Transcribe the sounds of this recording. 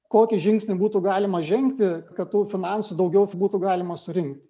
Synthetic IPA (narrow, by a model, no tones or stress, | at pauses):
koːkʲɪʒʲɪŋksʲnʲɪbuːt̪uːɡɑːlʲɪmɐʒʲɛŋkt̪ʲɪkɐt̪t̪uːfʲɪnɑnsʊd̪ɐʊɡʲɛʊbuːt̪uːɡɑːlʲɪmɐsʊɾʲɪŋkt̪ʲ